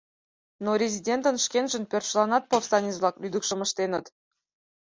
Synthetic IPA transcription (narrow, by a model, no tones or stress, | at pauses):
noɾʲezʲidʲent̪ə̆nʃkʲenʒə̆npʲørt̪ʃlˠɑnɑt̪̚post̪ɑnʲit͡sβlˠɑklʲyd̪əkʃə̆mə̆ʃt̪enə̆t̪